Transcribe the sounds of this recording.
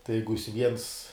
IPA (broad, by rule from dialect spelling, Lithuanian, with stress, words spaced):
tɐɪ ˈjɛɪɡʊ jɪs ʋʲiɛns